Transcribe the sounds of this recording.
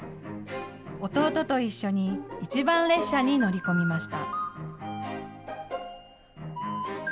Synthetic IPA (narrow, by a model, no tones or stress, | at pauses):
o̞t̪o̞ːt̪o̞t̪o̞iɕːo̞ɲ̟iːt͡ɕibãñɾe̞ɕːaɲ̟ino̞ɾʲiko̞mʲimaɕi̥t̪a